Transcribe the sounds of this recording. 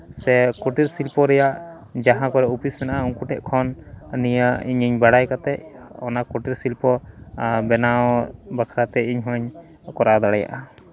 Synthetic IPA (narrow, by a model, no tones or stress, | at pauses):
sɛkɔʈiɾsilpɔɾɛjaʔ | d͡ʒaɦãkɔɾɛupʰismɛnaʔauŋkuʈʰɛʔkʰɔnnijəiɲiɲbaɽajkat̪ɛʔɔnakɔʈiɾsilpɔ | bɛnawbakʰɾat̪ɛiɲɦɔ̃ɲ | kɔɾad̪aɽaja̰ʔa